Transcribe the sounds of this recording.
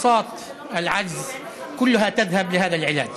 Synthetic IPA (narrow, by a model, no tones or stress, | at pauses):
sˤɑːt̪ | ʔɪlʕad͡ʒz | kʊlːʊhat̪aðhablɪɦaːðalʕɪla̰ːd͡ʒ